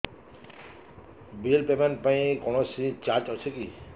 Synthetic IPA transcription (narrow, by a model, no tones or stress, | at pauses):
bilpemenʈ̚paĩkɔɽ̃ɔsit͡ʃat͡ʃɦɔt͡ʃʰeki